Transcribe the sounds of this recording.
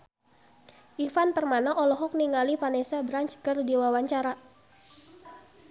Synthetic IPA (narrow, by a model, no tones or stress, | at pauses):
ʔifanpərmanaʔɔlɔɦɔk̚niŋalifanesabɾaɲt͡ʃkərdiwawaɲt͡ʃaɾa